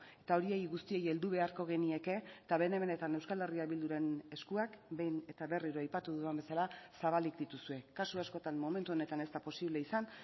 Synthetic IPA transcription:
e̞t̪ao̞ɾie̞jɣust̪ie̞je̞ld̪uβ̞e̞aɾko̞ɣ̞e̞nie̞ke̞t̪aβe̞ne̞me̞ne̞t̪ane̞wskale̞riaβild̪uɾe̞ne̞skuakbe̞jne̞t̪aβe̞riɾoajpat̪uðuembe̞salasaβalikd̪it̪usue̞kasuasko̞t̪anmo̞me̞nt̪uone̞t̪ane̞st̪apo̞siβle̞isan

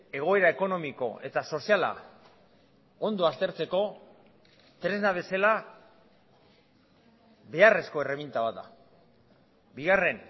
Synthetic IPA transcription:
e̞ɣ̞o̞e̞ɾaeko̞no̞miko̞̰e̞̰t̪aso̞siala̰ | o̞nd̪oast̪e̞ɾt͡se̞ko̞ | t̪ɾe̞znaβe̞sela | βe̞are̞sko̞e̞re̞βint̪aβat̪̚d̪a̰ | biɣare̞n

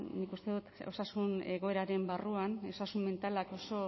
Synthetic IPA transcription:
nikust̪e̞ðut̪o̞sasune̞ɣo̞e̞ɾaɾe̞mbaruano̞sasumme̞nt̪alako̞so̞

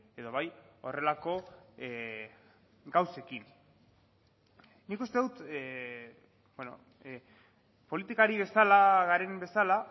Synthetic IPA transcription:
e̞ðo̞βajo̞̰re̞lako̞ | ɡawse̞kin | nikust̪e̞ðut̪ | beno̰ | po̞lit̪ikaɾiβe̞salaɣaɾe̞mbe̞sala

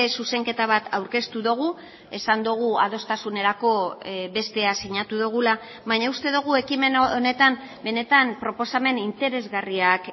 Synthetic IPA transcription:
suse̞ŋke̞t̪aβ̞at̪ʰawɾke̞st̪uðoɣ̞u | e̞sand̪uɣ̞ua̰ð̞o̞st̪asune̞ɾako̞βe̞st̪e̞asiɲat̪uðuɣ̞ula | βaɲaust̪e̞ðuɣ̞ue̞kime̞none̞t̪am | be̞ne̞t̪ampɾo̞po̞same̞nint̪e̞ɾe̞zɣariak

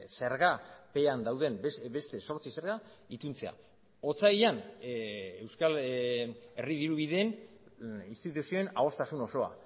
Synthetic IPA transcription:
seɾɣape̞and̪awðe̞mbest̪e̞so̞ɾt͡sise̞ɾɣait̪unt͡se̞a̰ | o̞t͡saiʎan | ewskal | e̞riðiɾuβiðeːn | inst̪it̪usio̞e̞nao̞st̪asuno̞so̞a̰

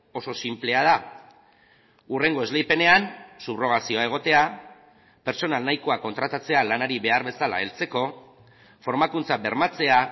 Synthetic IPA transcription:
o̞so̞simple̞að̞a | ure̞ŋɡo̞e̞zlejpe̞ne̞ansupro̞ɣ̞asio̞ae̞ɣ̞o̞t̪e̞a | pe̞ɾt͡so̞nalnajko̞ako̞nt̪ɾat̪at͡se̞alanaɾiβe̞aɾβe̞sala̰elt͡se̞ko̞ | fo̞ɾmakunt͡sabe̞ɾmat͡se̞a

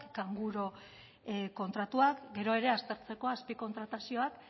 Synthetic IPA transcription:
kkaŋɡuɾo̞ | ko̞nt̪ɾat̪uakɡe̞ɾo̞e̞ɾe̞ast̪e̞ɾt͡se̞ko̞aspiko̞nt̪ɾat̪asio̞ak

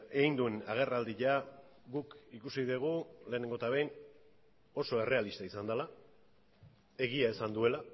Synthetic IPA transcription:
ejnd̪ue̞naɣ̞e̞rald̪iʎa | ɣukikusiðeɣ̞ule̞ːne̞ŋɡo̞t̪aβe̞jn | o̞so̞e̞re̞alist̪aisand̪ala | e̞ɣ̞iaesand̪ue̞la

